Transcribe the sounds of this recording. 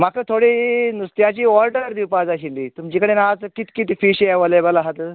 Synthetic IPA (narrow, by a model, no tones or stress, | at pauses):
makət̪ʰoɽinust̪jat͡ɕiːɔlʈəɾd̪iwpad͡zaɕind̪iːt̪umt͡ɕikəɽenat͡skit̪kit̪ifiɕɛʋəlebəlaɦat̪ə